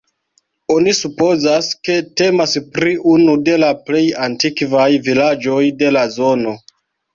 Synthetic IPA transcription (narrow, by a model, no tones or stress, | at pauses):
o̞nisupo̞zaske̞te̞maspɾiʔunude̞laple̞jantikvajvilad͡ʒo̞jde̞lazo̞no̞